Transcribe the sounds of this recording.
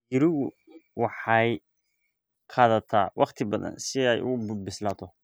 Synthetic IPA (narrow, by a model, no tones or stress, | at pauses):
jɪɾɪɣʊ | wɑħɑj | qʰɑːðɐt̪ʰaːwʔɑqt̪ʰɪbɐðɐ̰nsɪɛjʔʊ̰ʊbbɪslaːt̪ʰɔ